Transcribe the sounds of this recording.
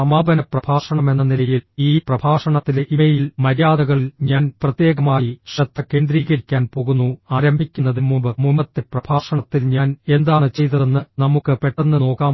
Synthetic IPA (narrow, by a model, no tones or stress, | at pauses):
ɐmaːbʱɐnɐprɐbʱaːʂɐɳɐme̞nːɐnilɐjiliːprɐbʱaːʂɐɳɐt̪ːileʔimɐjilmɐɾjaːd̪ɐɣɐɭilɲaːnprɐt̪je̞ːɣɐmaːjiʂɐt̪ːɐkːe̞ːnd̪ɾiːɣɐɾikʲːaːnpo̞ɣunːuaːɾɐmbʱikʲːunːɐðimːumbɨmumbɐt̪ːeprɐbʱaːʂɐɳɐt̪ːilɲaːne̞nd̪aːɳɨt͡ɕe̞jt̪ɐðenːɨnɐmukːɨpe̞ʈːɐnːɨno̞ːkːaːm